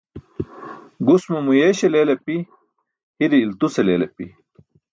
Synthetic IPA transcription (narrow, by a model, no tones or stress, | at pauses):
ɡusmumujeɕelelepi | hiɾiːlt̪useleːlepḭ